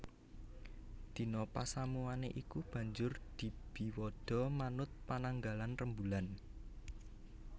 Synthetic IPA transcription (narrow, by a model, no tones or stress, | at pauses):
d̪̥i̤nɔpasamuaneʔikub̥ä̤ɲd͡ʒʊrd̪̥i̤b̥i̤wɔd̪̥ɔ̤manʊt̪̚panaŋɡalanrəmbulan